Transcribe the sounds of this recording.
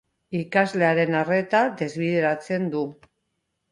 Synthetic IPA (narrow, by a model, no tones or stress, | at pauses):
ikazle̞aɾe̞nare̞t̪ad̪e̞zβ̞iðe̞ɾat͡se̞nd̪u